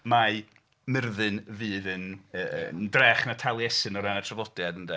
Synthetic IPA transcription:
ma | mɪrðɨnvɨːðənəndrɛχnatʰalˠjɛsɨnɔɾanatʰravɔd̥jadəndɛ

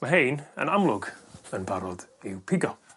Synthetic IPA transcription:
məɦejnə̰namlˠʊɡənbaɾɔdɪwpʰɪɡɔ

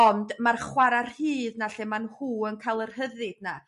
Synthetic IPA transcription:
ɔndmarχwaɾar̥hiːðnaɬɛmanhuːənkʰalˠərhəðɨd̥na

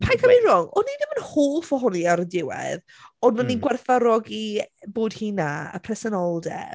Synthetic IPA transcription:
pʰajkʰamirɔŋɔnidəmənhoːlˠfɔɦʊniaɾədɪwɛ̰ð | ɔdmaninɡwɛrθaɾɔɡiboːd̥hiːnaə̰pʰrɛsɛnɔlˠdɛ̰

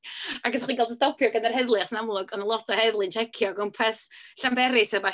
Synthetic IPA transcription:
akɡɔsχiːɡɛlˠdəstɔpʰjɔɡənarhɛðlˠɨχsnamlˠʊɡɔnəlˠɔtʰɔhɛðlˠɪnt͡ʃʰɛkʰjɔɡɔmpʰɛsɬambɛɾɪsɛba

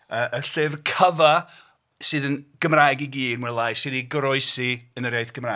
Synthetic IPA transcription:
əːʔəɬɨvkʰəva | sɨːðənɡ̥əmraːjɡiɡiːdwɛlˠajsɨniɡəɾɔɨsiənəɾjaɨθɡ̥əmra

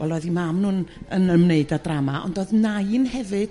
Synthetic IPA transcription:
wɛlˠoːðimamnuːnənəmneɨdadramaʔɔ̰ndoːɨðnaɨnhɛvɨd̥

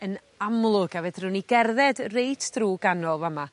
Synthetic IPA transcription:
ən | amlˠʊɡavɛdruniɡɛrðɛdrejtʰd̥ruːɡanɔlˠvama

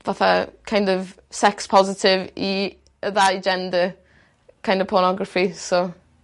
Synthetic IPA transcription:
vaθa̰kʰãj̃ndɔv | sɛkspʰɔzɪtʰɪvi | əðaid͡ʒɛndə | kʰãj̃ndɔv̥pʰɔɾnɔɡɹəfiso

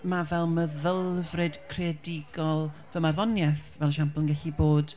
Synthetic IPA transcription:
mavɛlˠməðəlˠvrɨd̥kʰreadɪɡɔlˠvəmarðɔnjɛθvɛlˠəʃampəlˠənɡɛɬiboːd̥

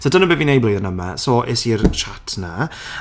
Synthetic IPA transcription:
sodənəbɪvinejbleðənəma̰sɔːʔesirʃatʰna

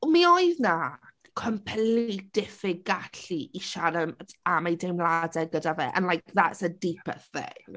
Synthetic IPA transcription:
miɔɨðna | kʰəmpʰɛlid̥ɪfɪɡaɬiʔiʃaɾəmamajdemlˠadɛɡədavɛ̰ʔə̰nlajkʰðatsədipʰə̰θɪ̰ŋŋ

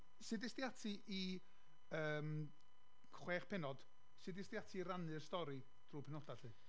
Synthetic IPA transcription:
sɨdɪstijatʰiʔi | əːm | χweːχpʰɛnɔd̥ | sɨdɪstijatʰiːɾanɨrstɔɾi | d̥ruːpʰɛnɔd̥aɬɨ

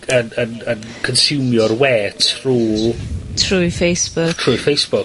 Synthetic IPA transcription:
ənənən | kʰənsɪwmjɔrwɛːtʰruːtʰrujfejsb̥ʊtʰrujfejsb̥ʊk

